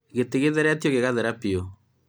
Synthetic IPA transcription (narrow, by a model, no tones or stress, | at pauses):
ɣeteɣeðɛɾɛatjoɣeɣaðɛɾapio